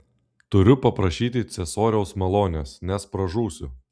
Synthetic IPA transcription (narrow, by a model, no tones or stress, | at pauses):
t̪ʊɾʲʊpɐpɾɐʃʲiːt̪ʲɪt̪sʲɛsoːɾʲɛʊsmɐlˠoːnʲesnʲɛspɾɐʒuːsʲʊ